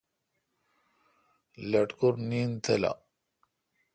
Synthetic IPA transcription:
lɐʈkuɾnint̪ʰela̰

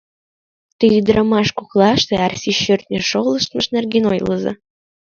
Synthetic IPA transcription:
t̪iid̪ɾʔəmɑʃkuklɑʃt̪eɑrsiɕørt̪̚nʲeʃoləʃt̪̚məʃnerɡeno̰jləzḛ

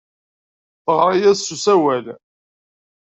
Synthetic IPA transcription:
fʁɾˤæjæsːusæwæl

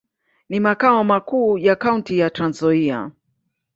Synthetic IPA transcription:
nimakaɔmakuːjakauntijatɾanzɔia̰

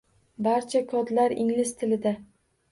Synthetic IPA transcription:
baɾt͡ʃʰakʰɒd̪laɾɪ̰ŋlɪst̪ʰɪlɪd̪a

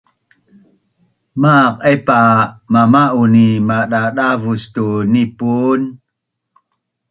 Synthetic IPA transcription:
maqʔepamamaʔunimaɗaɗavustunipun

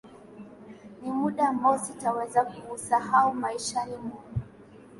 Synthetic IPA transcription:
nimuɗaːmbaɔsitawɛzakumusahaumaiʃanimuu

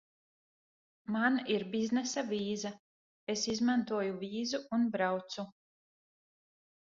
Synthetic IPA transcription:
maniɾbiznɛsaviːza | esizmant̪uɔjuviːzuunbɾawt̪su

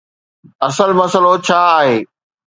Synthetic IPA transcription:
ɐsəlmɐsəlot͡ɕʰaːɦeː

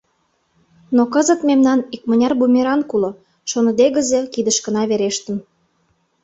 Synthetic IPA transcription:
nokəzə̆t̪memnɑnik̚mə̆nʲɑrbumʲeɾɑnkulŏ | ʃonə̆d̪eɣə̆zekid̪əʃkə̆nɑβeɾeʃt̪ə̆n

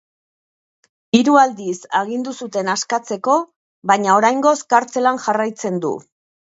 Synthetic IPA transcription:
iɾuald̪isaɣ̞ind̪usut̪e̞naskat͡se̞ko̞ | βaɲao̞ɾajŋɡo̞skaɾt͡se̞lanʝarajt͡se̞nd̪ṵ

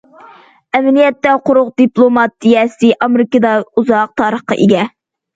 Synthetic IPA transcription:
ɛmɪnijɛt̪ːɛqʰʊɾʊqd̪iplˠomɑt̪ːijɛsɪʔɑmeɾɪkəd̪ɑuzɑq̚t̪ʰɑːɾəχqɑ̰ʔeɡʲɛ

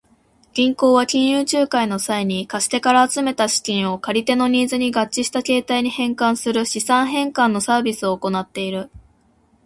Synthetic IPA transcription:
ɡ̥ʲĩŋko̞ːβakʲĩɰ̃jɯːt͡ɕɨːkaino̞saiɲ̟ikaɕi̥t̪e̞kaɾaːt͡sɨme̞t̪aɕi̥kʲĩɰ̃o̞kaɾʲit̪e̞no̞ɲ̟iːzɨɲ̟iɡat͡ɕːiɕi̥t̪ake̞ːt̪aiɲ̟ihẽ̞ŋkãɰ̃sɨɾɯ̟ɕisãɰ̃ɦẽ̞ŋkãnːo̞saːbʲisɨo̞ːko̞nat̪ːe̞iɾɯ̟

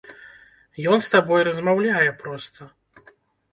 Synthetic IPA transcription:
jɔnst̪abɔjɾɐzmawlʲajɛpɾɔst̪ʰɐ

